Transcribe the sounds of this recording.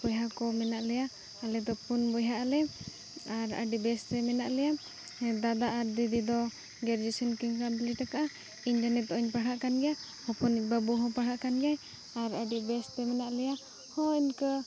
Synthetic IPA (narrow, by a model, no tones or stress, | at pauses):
bɔjɦakɔmɛnaʔlɛja | alɛd̪ɔpunbɔjɦaʔalɛ | aɾə̰ɖibɛst̪ɛmɛnaʔlɛja | d̪ad̪aʔaɾd̪id̪id̪ɔ | ɡɛɾd͡ʒisinkiŋkabiliʈakaʔa | iɲd͡ʒanɛt̪̚ɔʔiɲpaɽaʔkanɡɛja | hɔpɔnic̚babuɦɔ̃paɽaʔkanɡɛaj | aɾəɖibɛst̪ɛmɛnaʔlɛja | hɔ̃iɲkə